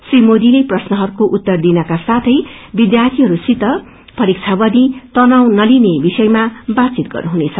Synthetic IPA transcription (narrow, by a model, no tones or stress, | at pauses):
srimod̪ileprʌsnʌɦʌɾukoʔut̪ːʌrd̪inʌkasat̪ʰʌjbid̪jart̪ʰiɦʌɾusit̪ʌ | pʰʌɾikt͡sʰabʌd̪it̪ʌnawnʌlinebisʌjmabat̪t͡sit̪̚ɡʌ̰rnuɦunet͡sʰʌ